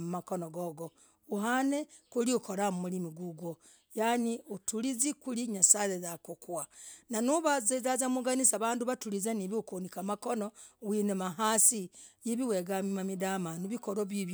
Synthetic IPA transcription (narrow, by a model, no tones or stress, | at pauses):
mumakonoɡoɡo | uɦanekuliukʰoɾamumulimiɡuɡwo | janiutulizikuliɲasajezakukwananuβazezazamuɡanisaβaːnduβatulizaniβiukonikamakonowinemaɦaːsijiβiweɡamimamidamanuβikoɾoβiβ